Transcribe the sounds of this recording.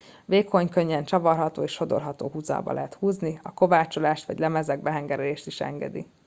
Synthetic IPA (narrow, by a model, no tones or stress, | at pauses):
veːkʰːo̞ɲkø̞ɲːɛnt͡ʃɒvɒrɦɒt̪oːeːʃʃo̞d̪o̰rɦɒt̪o̰ːɦuzɒ̰ːbɒ̰lʔɛɦɛt̪huːzniɒko̞vaːt͡ʃo̞laːʃt̪ʋɒɟlɛmɛzɛɡ̚bɛɦɛŋɡɛɾɛleːʃt̪iʃɛ̰ŋɡɛ̰d̪ḭ